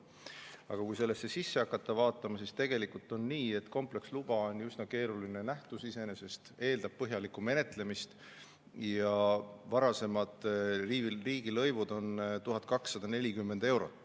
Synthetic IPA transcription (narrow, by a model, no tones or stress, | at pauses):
ɑ̰ɡ̥ɑkujse̞lːesːe̞sisːe̞ɑkːˑɑt̪ːˑɑvɑːt̪ːˑɑmɑsist̪e̞ɡ̥e̞likult̪ːˑo̞nniːe̞t̪ːko̞mple̞kslub̥ɑonjysnɑke̞ːɾulinenæht̪usise̞ne̞se̞st̪e̞ːld̪ɑb̥̚pɤɦjɑlikːume̞ne̞t̪ˑle̞mist̪ | jɑvɑɾɑse̞mɑd̪̥ririːɡilɤ̞jvud̪o̞nt̪uɦɑd̪̥̚ˑkɑksːɑd̪̥ɑne̞lʲikymːe̞nd̪̥e̞wɾo̞̰t̪ːˑ